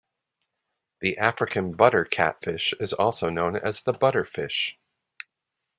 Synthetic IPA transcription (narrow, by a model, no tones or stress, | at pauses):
ðiʔæfɹɨkʰɨ̃nbʌɾə˞kʰæ̰tfɪʃɨzɔ̰lˠsoʊnõʊ̃nɨ̰zðəbʌɾə˞fɪ̰ʃ